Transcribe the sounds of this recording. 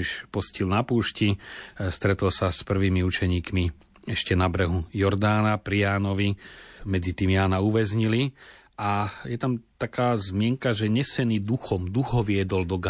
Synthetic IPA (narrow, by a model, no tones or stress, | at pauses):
iʃpɔscilnapuːʃcist̪ɾɛt̪ɔlsaspr̩ʋiːmiut͡ʃɛɲiːkmi | ɛʃcɛnabɾɛɦujɔɾd̪aːnapɾijaːnɔʋimɛd͡zit̪iːmjaːnauʋɛzɲili | ajɛt̪amt̪akaːzmɪɛŋkaʒɛɲɛsɛniːd̪uxɔmd̪uxɔʋɪɛd̪ɔld̪ɔɡa